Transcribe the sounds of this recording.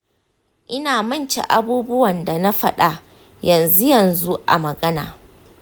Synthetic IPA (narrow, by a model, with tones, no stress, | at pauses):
ʔɪ˦naː˨mɐ˦˨nt͡ʃḛ˨ʔa˦buː˦bʊ˦wɐ˨nda˨na˦ɸɐ˦ɗa˦ | jɐ˨nzu˦jɐ˨nzu˦ʔa̰˨mɐ˨ɡɐ˦na̰ː˨